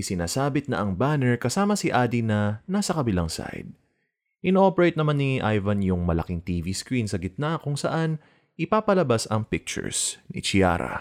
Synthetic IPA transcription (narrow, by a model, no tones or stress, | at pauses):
ʔɪsɪnaːsaːbɪt̪̚nɐ̰ʔɐŋbanɛɹkɐsaːmɐsiʔad̪inɐnasɐkɐbɪlaŋsa̰jd̪̚ | ʔɪnʔo̞pɛɹejt̪nɐmanːiʔajvɐnjʊŋmɐlɐ̰kɪŋt̪iːviskɹinsɐɡɪt̪̚nakʊŋsɐ̰ʔan | ʔɪpaːpɐlɐbasɐŋpɪk̚t͡ʃʊ̰ɹsnɪ̰t͡ʃia̰ɾɐ̰